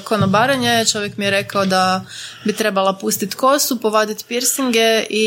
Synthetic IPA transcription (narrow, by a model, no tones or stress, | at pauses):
konobaɾaɲet͡ʃo̞ʋjekmijeɾe̞kaod̪abit̪ɾe̞balˠapust̪it̪ko̞supoʋad̪it̪piɾsiŋɡei